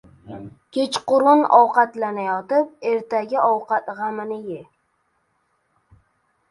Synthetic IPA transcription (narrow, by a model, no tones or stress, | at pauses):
kʲʰet͡ʃqʊɾʊnɒ̰wqɑt̪lanajɒt̪ɪp̚eɾt̪aɡʲɪʔɒwqat̪ʁamɪnɪje